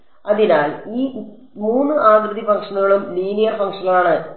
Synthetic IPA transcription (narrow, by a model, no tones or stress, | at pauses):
ɐðinaːliː | muːnːɨʔaːɡɾɨðifɐŋʂɐnuɣɐɭumliːnijɐrfɐŋʂɐɣɐɭaːɳɨ